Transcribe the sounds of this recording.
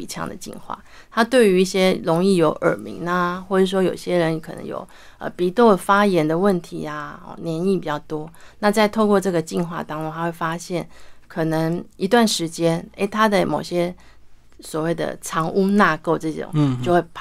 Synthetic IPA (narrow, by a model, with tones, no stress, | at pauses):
i˨˩t͡ɕʰjɑ̰˧˥ŋd̪ə̰˩t͡ɕḭ˥˧nxwa̰˥˩ | t̪ʰa˥t̪we˥˩ɪy˧˥i˥˩ɕjɛ˥lo˧˥ŋi˥˩jo˧˥ʊʔə̰˞˨˩mḭ˧˥ŋa˧xwɔ˥˩ə˩˥˩ʂwɔ˥jo˨˩ʊi˩ɕjɛ˦˥ɻə˧˦ni˧˥kʰɤ˨˩nə̰˧˦ŋjo̰˨˩ʊ | ə̰˧˩pi˧˥t̪o˥˩fa˥jɛ˧˥nd̪ə˨wə˥˩nt̪ʰi˧˦a̰˧˥˩njɛ˧˥ni˥˩pi˨˩t͡ɕjɑ˥˩ʊt̪wɔ˥na˥˧t͡sa˥˧ɪt̪ʰo˥˧ʊkwɔ˥˧ʈ͡ʂɤ˥˩ɡə˨˩t͡ɕi˥˧nxwa̰˥˧t̪ɑ˥ŋo˧˥ŋt̪ʰa˥xwe˥˩ɪfa˥ɕjɛ˥˩nkʰɤ˨˩nə˧˦ŋi˧˥t̪wa˥˩nʂɻ̩˧˥t͡ɕjɛ˥nḛ˥˩ɪt̪ʰa˥d̪ə˨mo˨˩ɕjɛ˦˥ | swɔ˨˩we˥˩ɪd̪ə̰˩ʈ͡ʂʰɑ˧˥ŋʔu˥na˥˧ko˥˧ʊʈ͡ʂɤ˥˩ʈ͡ʂo̰˨˩ŋt͡ɕjo˥˧ʊxwe˥˩ɪpʰ